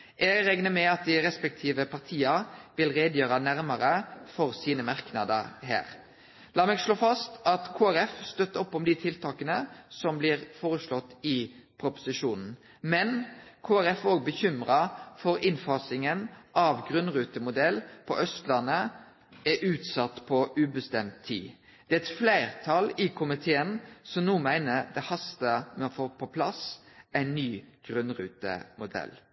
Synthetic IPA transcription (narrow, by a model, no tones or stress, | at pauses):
ʔɛɡɾɛŋnəmɛɑt̪̚d̪ɪʁɛspɛk̚t̪ʰiːʋəpʰɑʁt̪ʰiːɑʋɪlʁeːd̪jøːɾɑnæɾməɾəfɔʁsiːnəmɑʁknɑd̪əɦæ̰ːɾ | lɑːmɛːɡʂloːfɑst̪ɑt̪kʰoːæɾɛfst̪œt̪ːəɔpːɔmd̪ɪt̪ʰɪlt̪ʰɑːkənəsɔmblɪːʁfoːʁəʂlɔt̪ːɪpʰɾʊpʊ̥sɪʂuːnn̩ | mɛnkʰoːæʁɛfoːɡ̚bəçʏmʁɑfɔɾɪnfɑsɪŋənʔɑʋɡʁʉnʁʉːt̪əmʊd̪ɛlpʰɔ̰ʔœst̪lɑnːə | æʔʉːt̪sɑt̪ːpʰɔʉːbəst̪ɛmt̪ʰːḭː | d̪̥ɛːɛt̪flæɪʁt̪ʰɑlɪkʰʊmɪt̪ʰeːənsɔmnuːmæɪnəɾd̪ɛhɑst̪əmɛɔfoːpʰɔpʰlɑsæɪnːyːɡ̥ʁʉnʁʉ̰ːt̪ə̰mʊd̪ɛ̰l